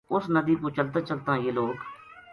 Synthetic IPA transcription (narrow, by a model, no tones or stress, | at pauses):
ʊsnəd̪iːpũːt͡ʃəlt̪aːt͡ʃəlt̪ãːjeːloːk